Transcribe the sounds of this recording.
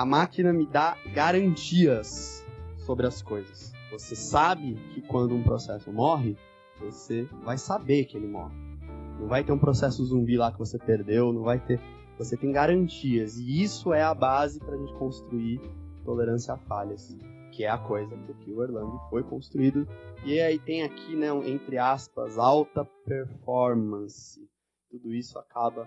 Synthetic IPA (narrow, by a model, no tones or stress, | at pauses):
ɐmakinɐmɪd̪aɡaɾɐ̃nt͡ʃiɐsː | obɾɪɐskojzɐsvosesabɪkʰɪkwɐ̃nd̪ʊũpɾosɛsʊmɔɦɪ | vosevajsabeɾkɪelɪmɔ̰hɪnɐ̃w̃vajt̪eɾũpɾosɛsʊzũbilakɪvosepeɾd̪ewnɐ̃w̃vajt̪e | voset̪ẽj̃ɡaɾɐ̃nt͡ʃiɐzɪisʊɛɐbazɪpɾɐʒẽnt͡ʃɪ̥kõst̪ɾuiɾt̪oleɾɐ̃sjɐafaʎɐs | kɪɛɐkojzɐkɪkɪʊeɾlɐ̃nd̪ʊfojkõst̪ɾuid̪ʊɪeait̪ẽj̃akʰinɛũʔẽnt̪ɾɪaspɐzawt̪ɐpeɾfɔɾmɐ̃sɪ | t̪ud̪ʊisʊa̰kʰabɐ